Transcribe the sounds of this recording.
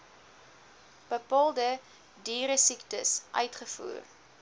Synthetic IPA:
b̥əpɑːlˠdə | diːɾəsiktəsʔœ̰ɥtχəfṵːr

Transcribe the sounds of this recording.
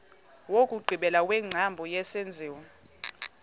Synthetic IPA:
wokʼuɡ͡ǀʱiɓɛlawɛŋ͡ǀʱambʱɔjɛsend͡zʱiːwɔ

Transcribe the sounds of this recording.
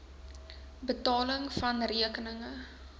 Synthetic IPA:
bətɑːləŋfɐnriəkənəŋə

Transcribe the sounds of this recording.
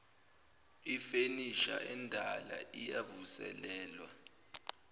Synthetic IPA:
ifeniʃa̰ʔɛndʱalaijavusɛ̰lɛːlwa

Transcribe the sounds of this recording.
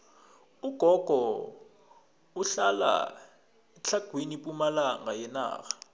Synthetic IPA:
uɡ̥ʱɔɡ̥ʱɔ | uɬala̰ | ɛt͡ɬʰaɡ̥ʱwinipʼumalaŋajɛna̰ːxḁ

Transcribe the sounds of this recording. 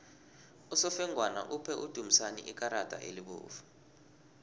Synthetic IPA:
usɔfɛŋʱwana̰ʔupʰɛʔud̥ʱum̩sanḭʔik̬ʼaɾad̥ʱʼa̰ʔḛliɓṵːfḁ

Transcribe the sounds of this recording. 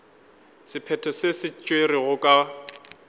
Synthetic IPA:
sɪpʰɛtʰɔsesɪt͡ʃʼweriɣʊkʼa

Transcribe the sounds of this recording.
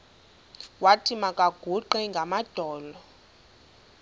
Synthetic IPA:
watʰimakʼaɡ̥ʱuǃɛŋɡʱamad̥ʱɔːlɔ

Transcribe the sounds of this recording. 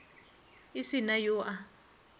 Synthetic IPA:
isinajoːʔa

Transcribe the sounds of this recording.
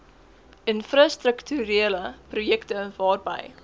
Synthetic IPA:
ʔənfrɑstrəktyɾeələprujɛktəvɑːrbɐ̰j

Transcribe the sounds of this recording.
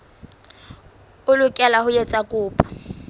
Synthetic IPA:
ʊlʊkʼɛlahʊjet͡sʼakʼʊːpʼɔ̥

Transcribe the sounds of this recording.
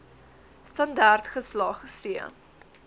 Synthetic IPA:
stɐndɑrtχəslɑːχəsiə̰

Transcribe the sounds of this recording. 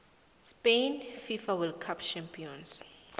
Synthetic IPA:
spenfifawilkʰapt͡ʃʰãmpʰiɔns

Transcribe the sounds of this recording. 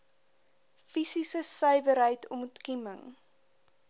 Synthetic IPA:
fisisəsœɥvəɾɦəjtʰɔmutkiməŋ

